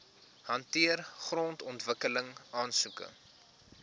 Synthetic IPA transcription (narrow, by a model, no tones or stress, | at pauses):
ɦɐntiərχrɔntɔntvəkələŋɑːnsukə̰